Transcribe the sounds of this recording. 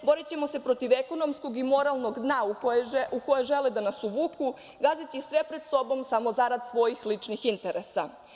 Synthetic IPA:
bo̞ɾit͡ɕe̞mo̞se̞pɾo̞t̪iʋe̞ko̞no̞msko̞ɡimo̞ɾalˠno̞ɡd̪nauukojeʒe̞led̪anasuʋuːku | ɡazit͡ɕisʋe̞pɾe̞d̪so̞bo̞msamo̞zaɾad̪sʋo̞jixlit͡ʂnixint̪e̞ɾesa

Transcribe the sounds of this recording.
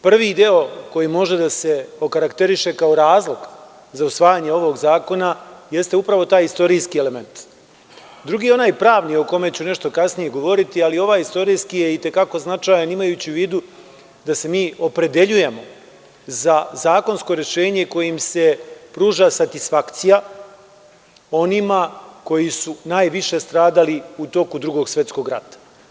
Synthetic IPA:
pr̩ʋid̪e̞o̞ko̞jimo̞ʒe̞d̪ase̞o̞kaɾakt̪e̞ɾiʃe̞kao̞ɾaːzlˠo̞ɡ | zausʋaːjaɲe̞o̞ʋo̞ɡzaːko̞naje̞st̪e̞upɾaʋo̞t̪aːjist̪o̞ɾijskiele̞me̞nt̪ | d̪ɾuɡiːo̞naːjpɾaːʋnijo̞ko̞me̞t͡ɕune̞ʃt̪o̞kasnije̞ɡo̞ʋo̞ɾit̪ialio̞ʋaːjist̪o̞ɾijskije̞it̪e̞kako̞znat͡ʂaːjanimajuːt͡ɕiʋiːd̪u | d̪ase̞miːo̞pɾe̞d̪e̞ʎuje̞mo̞ | zazaːko̞nsko̞ɾe̞ʃe̞ːɲe̞ko̞jimse̞pɾuːʒasat̪isfakt̪sija | o̞nimako̞jisunaːjʋiʃe̞st̪ɾaːd̪aliut̪o̞kud̪ɾuɡo̞ɡsʋjet̪sko̞ɡɾa̰t̪ḁ

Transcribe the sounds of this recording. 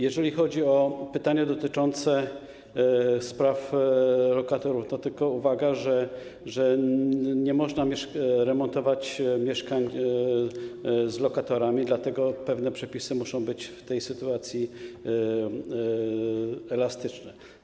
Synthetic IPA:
jɛʐɛlʲixɔd͡ʑiɔpɘt̪aɲad̪ɔt̪ɘt͡ʂɔnt̪sɛ | spɾaflɔkat̪ɔɾufnɔt̪ɘlkɔuvaɡaʐɛ | ʐɛ | ɲɛmɔʐnamʲjɛʂɾɛmɔnt̪ɔvat͡ɕmʲjɛʂkaɲ | zlɔkat̪ɔɾamʲid̪lat̪ɛɡɔpɛvnɛpʂɛpʲisɘmuʂɔ̃w̃bɘt͡ɕft̪ɛjsɘt̪uat̪sʲji | ɛlast̪ɘt͡ʂnɛ

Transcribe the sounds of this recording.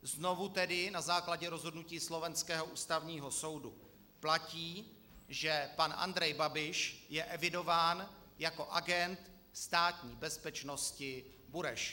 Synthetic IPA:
zno̞vut̪ɛdɪnazaːklaɟɛɾo̞zɦodnuciːslo̞vɛnskɛːɦo̞ʔuːst̪avɲiːɦo̞so̞wdu | placiː | ʒɛpanʔa̰nd̪ɾɛjbabɪʃjɛʔɛvɪdo̞vaːn | jako̞ʔaɡɛnt̪ | st̪aːt̪ɲiːbɛspɛt͡ʃno̞scɪ | buɾɛʃ

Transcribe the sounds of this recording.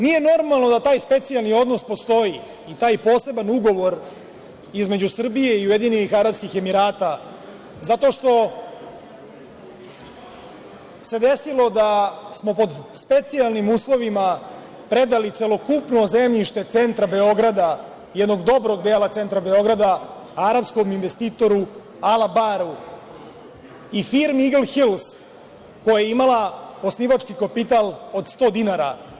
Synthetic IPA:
nije̞no̞ɾmalˠnod̪at̪aːjspe̞t̪sialˠnio̞d̪no̞spo̞st̪o̞ji | it̪aːjpo̞ːse̞banuɡo̞ʋo̞ɾ | izme̞d͡ʑusr̩bije̞iujed̪ininixaɾapskixemiɾaːt̪a | zat̪o̞ʃt̪o̞ | se̞d̪e̞silˠo̞d̪asmo̞po̞d̪spe̞t̪sialˠnimuːslˠo̞ʋima | pɾe̞d̪alit̪selo̞kupno̞zemʎiʃt̪e̞t̪se̞nt̪ɾabe̞o̞ɡɾad̪a | jɛd̪no̞ɡd̪o̞bɾo̞ɡd̪eːlat̪se̞nt̪ɾabe̞o̞ɡɾad̪a | aɾapsko̞minʋe̞st̪iːt̪o̞ɾu | alabaɾu | ifiɾmiɡlxils | ko̞jajeimalaosniːʋat͡ʂkikapit̪alˠo̞d̪st̪o̞ːd̪inaɾa

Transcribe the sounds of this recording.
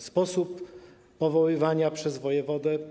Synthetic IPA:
spɔsupː | ɔvɔwɘvaɲapʂɛzvɔjɛvɔd̪ɛ

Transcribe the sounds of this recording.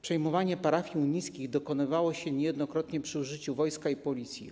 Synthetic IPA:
pʂɛjmɔvaɲɛpaɾafʲjiuɲijskʲiɣd̪ɔkɔnɘvawɔɕɛɲɛjɛd̪nɔkɾɔt̪ɲɛpʂɘuʐɘt͡ɕuvɔjskaipɔlʲit̪sʲjḭ

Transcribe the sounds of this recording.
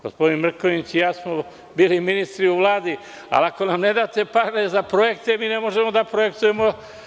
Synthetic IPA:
ɡ̥ospo̞d̪inmr̩koʋit͡ɕijaːsmo | biːliminist̪ɾiuʋlˠaːd̪i | a̰lˠako̞namne̞d̪aːt̪e̞paɾezapɾo̞je̞kt̪e̞miːne̞mo̞ʒe̞mo̞d̪apɾoje̞kt̪uje̞mo̞

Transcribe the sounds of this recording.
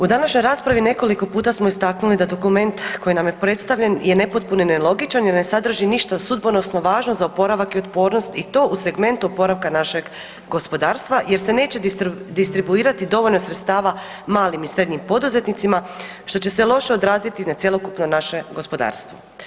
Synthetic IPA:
ud̪anaʃɲo̞jɾaːspɾaʋine̞ko̞liko̞puːt̪asmo̞ist̪aknulid̪ad̪o̞kume̞nt̪ko̞jinamjepɾe̞t̪st̪aʋʎʲe̞nje̞ne̞pot̪̚punonelˠo̞ɡit͡ʃanje̞ɾne̞sad̪r̩ʒiniʃt̪asud̪bono̞sno̞ʋaːʒnozaopo̞ɾaʋakio̞t̪po̞ːɾnost̪it̪o̞ːʔuse̞ɡme̞nt̪uo̞po̞ɾaʋkanaʃe̞ɡ | ɡo̞spo̞d̪aːɾst̪ʋaje̞ɾse̞ne̞ːt͡ɕed̪ist̪ɾibuiːɾat̪id̪o̞ʋo̞ʎno̞sɾet̪st̪aːʋa | maːlimisɾe̞d̪ɲimpo̞d̪uze̞t̪nit̪sima | ʃt̪o̞t͡ɕe̞selˠo̞ʃeod̪ɾaːzit̪inat̪sjelˠo̞kupnonaʃe̞ɡo̞spo̞d̪a̰ːɾst̪ʋo̰

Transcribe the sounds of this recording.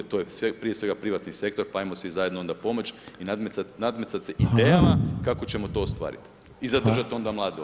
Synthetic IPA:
t̪ojesʋepɾijesʋe̞ɡapɾiʋat̪nise̞k̚t̪o̞ɾpaaimosʋizajed̪noo̞nd̪apo̞mo̞t͡ɕinad̪meat̪nad̪met̪sat̪seʔid̪eːjamakakot͡ɕe̞mo̞t̪o̞ːst̪ʋa̰ːɾḭt̪ | izad̪r̩ʒat̪o̞nd̪amlˠaːd̪i

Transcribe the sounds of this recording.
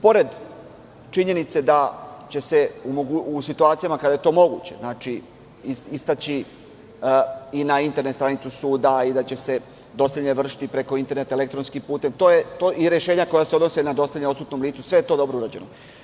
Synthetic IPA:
po̞ɾe̞d̪ | t͡ʃiɲe̞nit̪se̞d̪at͡ɕe̞se̞umoɡusit̪uaːt̪ijamakad̪aje̞t̪o̞mo̞ɡṵt͡ɕeznaːt͡ʃi | iist̪at͡ɕi | inaint̪eɾnet̪st̪ɾanit̪susuːd̪aid̪at͡ɕe̞se̞ | d̪o̞sʲeʎeʋr̩ʂi̥t̪ipɾe̞ko̞int̪e̞ɾne̞t̪aelekt̪ɾo̞nskimpuːt̪emt̪o̞jet̪oʔiɾeʃe̞ːɲako̞jaseo̞d̪no̞senad̪o̞sʲeʎeosut̪no̞mliːt̪susʋe̞jet̪o̞ːd̪o̞bɾo̞uɾad͡ʑeno

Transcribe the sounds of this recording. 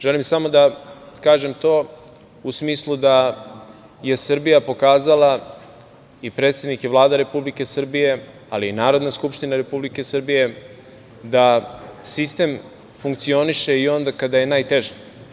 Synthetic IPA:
ʒelimsamo̞d̪akaːʒe̞mt̪o̞ː | usmiːslˠud̪a | je̞sr̩bijapo̞kaːzala | ipɾe̞ːt̪sʲe̞d̪nikevlˠaːd̪aɾe̞publike̞sr̩bije̞ | aliːnaːɾo̞d̪naskupʃt̪inaɾe̞publike̞sr̩bije̞ | d̪asist̪e̞m | fuŋkt̪sio̞niʃe̞io̞nd̪akad̪aje̞naːjt̪e̞ʒi

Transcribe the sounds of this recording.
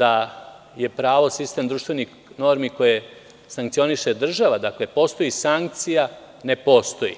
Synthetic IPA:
d̪a | je̞pɾaːʋo̞sist̪e̞md̪ɾuːʃt̪ʋe̞nix | no̞ɾmiko̞je | saŋkt̪sio̞niʃe̞d̪r̩ʒaʋad̪akle̞po̞st̪o̞jisaŋk̚t̪sija | ne̞po̞ːst̪o̞jḭ

